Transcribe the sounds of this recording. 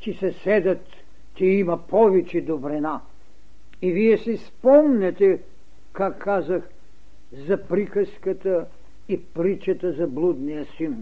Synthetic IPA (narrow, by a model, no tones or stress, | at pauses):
t͡ʃisɛsɛd̪ɐt̪ː | ɛimɐpʰɔvɛt͡ʃɛd̪obɾɛna | iviɛsɛspɔmnʲɛt̪ɛ | kakʰːazəx | zɐpɾikəskət̪ə | ipɾit͡ʃɐt̪əzɐblˠud̪nijəsin